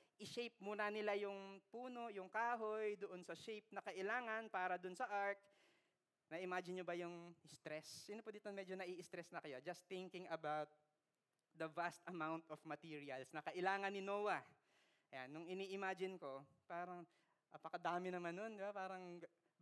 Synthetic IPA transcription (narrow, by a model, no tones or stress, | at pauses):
ʔɪʃejp̚muːnɐnɪlajʊŋpuːno̞jʊŋkaːɦo̞jd̪oʔonsɐʃejp̚nɐkɐʔɪlaːŋɐnpaːɾɐd̪ʊnsɐʔaɹk̚ | nɐʔɪmaːd͡ʒɪnɲobɐjʊŋst̪ɾɛsɪnopʊd̪iːt̪onmɛd͡ʒonɐʔiːʔɪst̪ɾɛsnɐkɐjod͡ʒɐst̪ːɪŋkɪŋɐbawt̪̚ | d̪ɐvast̪ɐmawnt̪ofmɐt̪iːɹɪɐlsnɐkɐʔɪlaːŋɐnːɪnoːwɐ | ʔɐjanːʊŋɪniːʔɪmaːd͡ʒɪnko̞ | paːɾɐŋ | ʔɐpɐkɐd̪aːmɪnɐmanːond̪ɪbapaːɾɐŋ